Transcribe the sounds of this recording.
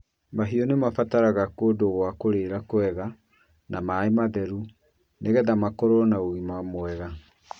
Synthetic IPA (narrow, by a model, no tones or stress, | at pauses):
maɦiɔnemafataɾaɣakoːdoɣwakoɾeːɾakoɛɣa | namaemaðɛɾu | neɣɛðamakoɾɔnaoɣimamoɛɣa